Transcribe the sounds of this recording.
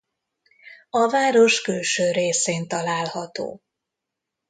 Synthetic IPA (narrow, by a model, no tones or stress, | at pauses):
ɒvaːɾo̞ʃkylʃøːɾeːseːnt̪ɒlaːlhɒt̪o̰ː